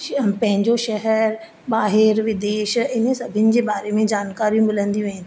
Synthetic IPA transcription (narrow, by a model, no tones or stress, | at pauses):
pɐ̃ɦɪ̃ɲd͡ʑoʃɛɦɛɾ | baːɦɪɾʋɪd̪eːʃɪnə̆sɐbʱɪnɪ̆d͡ʑeːbaːɾemẽd͡ʑaːnkaːɾijũmɪlə̃nd̪ijũɦɪ̃n